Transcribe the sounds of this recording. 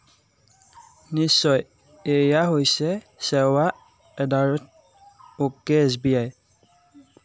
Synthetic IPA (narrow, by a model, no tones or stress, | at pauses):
nisɔj | ejaɦojsɛ | sɛwa | ɛd̪aɹɔt̪̚ | okːeɛs̬biaj